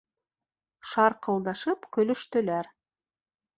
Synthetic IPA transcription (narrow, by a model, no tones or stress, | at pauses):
ʃɑɾqʰɤ̆lˠnɑʃɤpkʲʰɵ̆lɵ̆ʃt̪ɵ̆læɾ